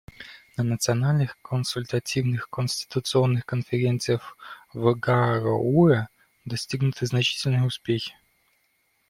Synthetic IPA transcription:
nənət̪sɨɐnalʲnɨxkənsʊlʲt̪ɐtʲivnɨxkənʲsʲtʲɪ̥t̪ʊt̪sɨonːɨxkənfʲɪɾʲent̪sɨjəxvɡaɾɔuɛ | d̪ɐsʲtʲiɡnʊt̪ɨznɐt͡ɕi̥tʲɪlʲnɨjəʊspʲexʲɪ̥

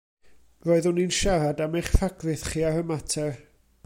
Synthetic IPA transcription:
roːɨðʊninʃaɾadamejχfaɡrɨθχiːaɾəmatʰɛr

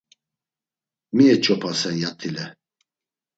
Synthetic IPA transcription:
miɛt͡ʃʼɔpʰasɛnjat̪ʰilɛ

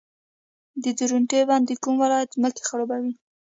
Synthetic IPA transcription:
d̪əd̪uɾuɳʈebɑnd̪ekumwɪlɑjat̪zməke̥xaɽobawi

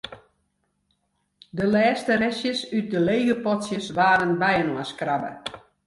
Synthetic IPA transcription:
dəlɛːstəɾɛsjəsyt̚dəlejɣəpɔtsjəsʋaːɾənbɛjənoəskrabə̰

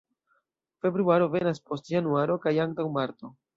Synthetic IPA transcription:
fe̞bɾuaɾo̞ve̞naspo̞stjanuaɾo̞kajaŋk̚tawmaɾt̪o̞

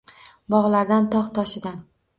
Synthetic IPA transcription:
bɒʁlˠaɾd̪ant̪ʰɒχt̪ʰɒʃɪd̪an

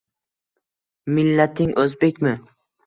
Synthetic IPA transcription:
mɪlːat̪ʰɪŋʔɵzbekʲmɪ

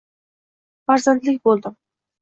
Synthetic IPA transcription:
bɑɾzand̪ɪlɪk̚ʲbolˠd̪ɪm

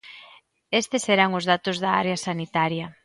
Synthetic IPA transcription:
est̪eseɾaŋʊzðat̪ʊzðɐa̰ɾeɐsanit̪aɾjɐ

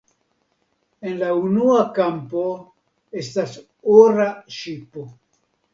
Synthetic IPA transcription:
e̞nlaunuakampo̞ | e̞stas | oɾaʃipo

